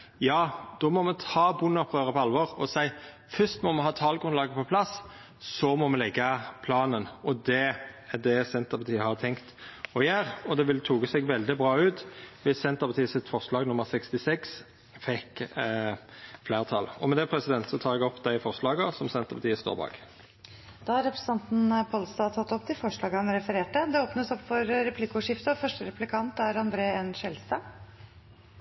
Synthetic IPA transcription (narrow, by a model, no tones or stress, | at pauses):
jɑːd̪̥ɔmɔmɛt̪ʰɑːbʊnːɔpʰːʁøːɾəpʰɔɑlʋɔʁɔsæɪ | fʏst̪mɔmɛnɦɑːt̪ʰɑːlɡʁʉnlɑːɡəpʰɔpʰlɑs | sɔmɔmɛlɛɡːɑpʰlɑːnənɔd̪ɛæd̪ɛsɛnt̪əɾpʰɑt̪ʰiːəhɑt̪ʰɛŋkt̪ɔjæːɾɔd̪ɛʋɪlət̪ʰuːɡəsɛɡʋɛld̪ɪbʁɑːʉːt̪ʋɪsːɛnt̪əʁpɑt̪iːəsɪt̪fɔʁʂlɑːɡnʊmːəʁsɛkst̪ɪsɛks | fɛk | flæːʁt̪ʰɑlɔmɛd̪ɛpʰʁɛsɪd̪ɛnt̪sɔt̪ʰɑːɛɡɔpːd̪æɪfɔʁʂlɑːɡəʁsɔmsɛnt̪əʁpɑt̪iːəst̪o̰ːʁbɑ̰ːɡ | d̪̥ɑːhɑɾɛpɾɛsn̩ɑnt̪n̩pʰolst̪ɑːt̪ʰɑt̪ːɔp̚ːt̪ʰɪlfɔʂɭɑːɡəhɑnɾɛfəɾeːʈəd̪ɛoːpnəsɔpːfɔɾɾɛpʰlɪkʊʂɪft̪əfœʂʈəɾɛpʉlɪkʰɑnt̪æɾɑnd̪ɾeːɛnʃɛlst̪ɑː